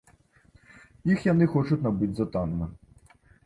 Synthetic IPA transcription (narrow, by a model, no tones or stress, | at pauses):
jixjanɨxɔt͡ʂutʲnabɨd͡zʲzɐt̪anɐmɨ